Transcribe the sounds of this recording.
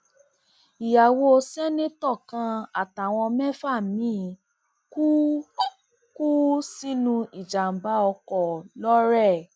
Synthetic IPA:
i˨ja˨wo˧o˧sɛ˦nĩ˦tɔ˦˨kã˧˦a˦˨ta˨w̃ɔ̃˧mɛ˦fa˦˨mĩ˦ | ku˦ | ku˦si˦nũ˧i˨d͡ʒa˨m̩˨ba˨˦ɔ˧kɔ˨lɔ˦ɾɛ˦˨

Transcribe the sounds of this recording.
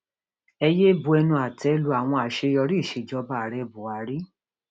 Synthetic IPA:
ɛ˧je˦bu˧˦ɛ˧nũ˧a˨tɛ˨˦lu˨˧a˨w̃ɔ̃˧a˨ʃe˧jɔ˧ɾi˦˨ʃe˨d͡ʒɔ˦ba˦˨ɾɛ˧bu˨a˨˦ɾi˦

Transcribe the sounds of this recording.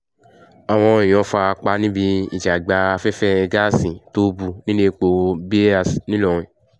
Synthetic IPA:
a˨w̃ɔ̃˧ĩ˨j̃ɔ̃˨˦fa˧a˧k͡pa˧nĩ˦bi˧i˨d͡ʒa˨ɡ͡ba˧a˧fɛ˦fɛ˦ɛ˧ɡa˦sĩ˨to˦bu˧˨nĩ˦le˦˧k͡po˧bi˦a˦˨snĩ˦lɔ˨ɾ̃ĩ˨

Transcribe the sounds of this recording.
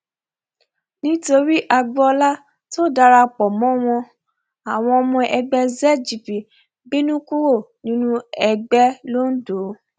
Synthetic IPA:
nĩ˦to˧ɾi˦ʔa˧ɡ͡bɔ˦˧la˦ | to˦˨da˧ɾa˧k͡pɔ˨mɔ̃˨˦w̃ɔ̃˧ | a˨w̃ɔ̃˧ɔ˧mɔ̃˧ʔɛ˧ɡ͡bɛ˦zɛ˦d͡ʒi˨pi˨ | bĩ˦nũ˦ku˦wo˦˨ | nĩ˦nũ˦ɛ˧ɡ͡bɛ˦lo˦n̩˦do˨˦

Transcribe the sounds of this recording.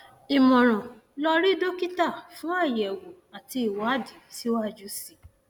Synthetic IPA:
i˨mɔ̃˨ɾ̃ɔ̃˨ | lɔ˧ɾi˦do˦ki˦ta˦˨fũ˦a˦˨jɛ˨wo˨ | a˨ti˧i˨wa˨˦˨di˨˦si˦a˦˨d͡ʒu˦si˦˨

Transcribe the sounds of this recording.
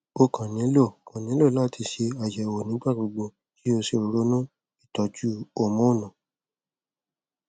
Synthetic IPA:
o˧kã˨nĩ˨˦lo˦˨kã˨nĩ˨˦lo˦˨la˦˨ti˧ʃe˧a˨d͡ʒɛ˨o˨nĩ˨˦ɡ͡ba˦˨ɡ͡bo˧ɡ͡bo˧ | ki˦o˧se˧o˨˧ɾo˨˦nũ˦ | i˦˨tɔ˨d͡ʒu˦o˦˨mɔ̃˨˦o˦˨nã˨

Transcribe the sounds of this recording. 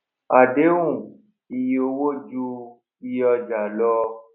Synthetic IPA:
a˨de˨˦wũ˦˨ | i˨jo˧wo˦d͡ʒu˧ | i˧jɔ˧d͡ʒa˨lɔ˧

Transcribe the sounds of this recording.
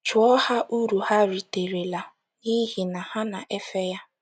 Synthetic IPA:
t͡ʃʊ˨ɔ˦ha˦ʔu˦ɾu˨ha˦ɾi˨te˨ɾe˨la˨ | ɲi˦ɦi˨na˨ha˦na˨ʔe˦fe˦ja˦

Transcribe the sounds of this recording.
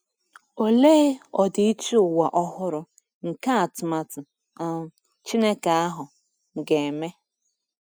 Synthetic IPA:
o˦le˦ɪ˦ɔ˨dɪ˨˦i˦t͡ʃi˦ʊ˨wa˨ʔɔ˦hʊ˦ɾʊ˦ | ŋ̩˨ka˦a˨tʊ˨ma˨tʊ˨ | a˦˨ | t͡ʃi˦ne˦ka˨a˦ɦʊ˨ | ŋ˨ɡe˨e˨me˦

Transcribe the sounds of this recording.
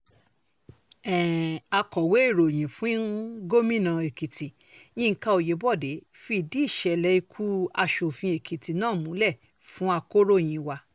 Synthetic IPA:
ɛ̃˨a˧kɔ˨we˨˦e˦˨ɾo˨j̃ĩ˨fũ˨˦ɡo˦mĩ˦˨nã˧e˨ki˨tʰi˨ | j̃ĩ˦˧˦ka˧o˨je˨˦bɔ˦˨de˨˦ | fi˧˨di˨˦i˦˨ʃɛ˧˨lɛ˧˦i˧kʰu˦a˧ʃo˨fĩ˧e˨kʰi˨ti˨nãː˦˨mũ˨˦lɛ˦˨ | fũ˨˦a˧ko˦ɾo˦˨j̃ĩ˨wa˧

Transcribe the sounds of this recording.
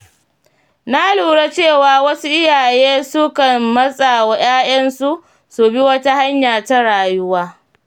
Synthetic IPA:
na˦luː˨ɽe˦t͡ʃeː˦˨waː˨wɐ˦su˦ʔɪ˦jaː˨jeː˦sʊ˦kɐ˨mːɐ˦sʼa˨wa˨j̰aː˦j̰ɐ˦nsu˦ | su˨bi˦wɐ˦ta˦ha˦ɲjaː˨ta˦ɽaː˨jʊ˦waː˦

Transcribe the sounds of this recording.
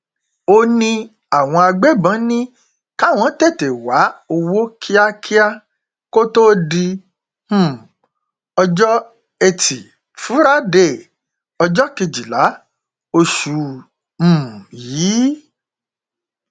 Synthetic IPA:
o˧nĩ˧ | a˨w̃ɔ̃˧a˧ɡ͡be˦˨bã˨˦nĩ˦ | ka˦˨w̃ɔ̃˨˦te˦˨te˨wa˨˦o˧wo˦kʰi˦a˦kʰi˦a˦ | ko˦to˦dĩ˧˦˨ | ɔ˧d͡ʒɔ˦ | e˧tʰi˨ | fu˨˦ɾa˦de˦˨ | ɔ˧d͡ʒɔ˦ki˧d͡ʒi˨la˨˦ | o˧ʃu˧˨ | m̩̃˨jiː˨˦

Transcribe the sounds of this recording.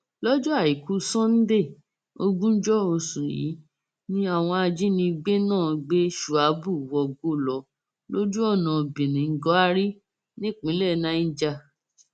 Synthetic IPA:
lɔ˦d͡ʒɔ˦a˦˨i˨ku˦sɔ̃˦n̩˦de˦˨ | o˧ɡũ˦n̩˦d͡ʒɔ˦o˧sũ˨jḭ˨˦ | nĩ˦a˦˨w̃ɔ̃˧a˧d͡ʒi˦nĩ˧ɡ͡be˦nãː˦˨ɡ͡be˦ʃu˨a˨˦bu˦˨wɔ˧ɡo˦˨lɔ˨˦ | lo˦d͡ʒu˦ɔ˦˨nã˨bĩ˨nĩ˨ŋ̩˦ɡɔ˨˦a˧ɾi˦ | nĩ˦˨k͡pĩ˨˦lɛ˦˨nã˦i˦d͡ʒa˧

